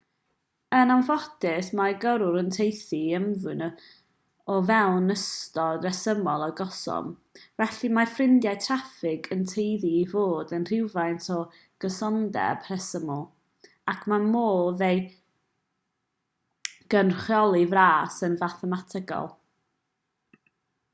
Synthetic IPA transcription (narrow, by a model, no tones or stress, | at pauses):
ənanvɔtɪsmaɡəɾʊɾəntʰejθiəmvɨn | ɔvɛlˠnəstɔdrɛsəmɔlˠɔɡɔsɔ̰mvɛɬimafrɪndjajtʰrafɪɡəntʰejðiːvoːdənr̥ɪwvajntʰɔ | ɡ̥əsɔndɛ̰b̥ʰrɛsəmɔlˠ | akʰmamoːðej | ɡ̥ənχjɔlˠivraːsənvaθɛmatʰəɡɔ̰lˠ